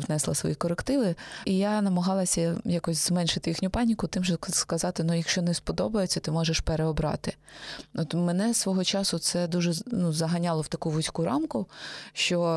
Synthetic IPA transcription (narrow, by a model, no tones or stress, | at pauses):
ʋnɛslˠɐ̰sʋɔ̰jikɔɾekt̪ɪʋɪijanɐmɐɦɑlˠɐsʲɐjakɔsʲzmɛnʃɪt̪ɪjixnʲʊpɑnʲikʊt̪ɪmʒɛskɐzɑt̪ɪnujɐkʃt͡ʃɔnɛspɔd̪ɔbɐjet͡sʲːɐt̪ɪmɔʒeʃpeɾeɔbɾɑ̰t̪ɪɔt̪menɛsʋɔɦɔt͡ʃɑsʊt̪sɛd̪uʒɛnuzɐɦɐnʲɑlˠɔwt̪ɐkuʋʊsʲkuɾɑmkʊʃt͡ʃɔ